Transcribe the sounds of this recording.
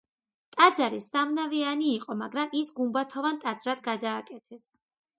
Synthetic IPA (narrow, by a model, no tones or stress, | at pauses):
t̪ʼad̪zaɾisamnavianiːqʼɔmaɡɾamisɡumbat̪ʰɔvant̪ʼad̪zɾad̪ɡad̪aːkʼɛt̪ʰɛs